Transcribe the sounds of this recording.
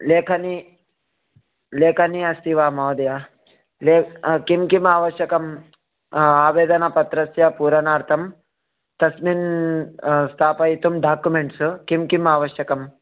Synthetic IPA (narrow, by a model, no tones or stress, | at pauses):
leːkʰɐni | leːkʰɐniɐst̪iʋaːmɐːwd̪ɐja | lekimkimaːʋɐʃjɐkɐm | aːʋeːd̪ɐnɐpɐt̪ɾɐsjɐpuːɾɐnaːɾt̪ʰɐm | t̪ɐsmin | st̪ʰaːpɐit̪umɖaːkjumeɳʈskimkimaːʋɐʃjɐkɐm